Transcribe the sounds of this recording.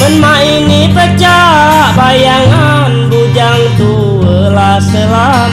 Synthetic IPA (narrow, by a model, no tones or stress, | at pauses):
mənma | inipəd͡ʒa | ʔbajaŋa | nbud͡ʒaŋt̪u | ə | lasəla